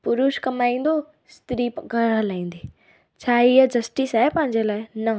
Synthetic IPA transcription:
pʊɾuʃkɐmaːĩnd̪o | st̪ɾipɡəɾəlaːĩːnd̪iː | t͡ʃʰaːijɐd͡ʒɐsʈisajpãɦɪ̃nd͡ʒelaːjnɐ

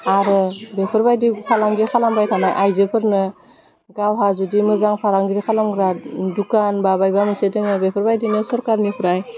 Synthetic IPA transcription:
aɾɯbepʰɯɾbajdipʰalaŋɡiɾkʰalambajtʰanaʔajzepʰɯɾnɯ | ɡawɦazudimɯzaŋpʰaɾaŋɡiɾikʰalamɡɾadukanbabajbamɯsedeŋabepʰəɾbajdinɯsɔɾkaɾnipʰɾaj

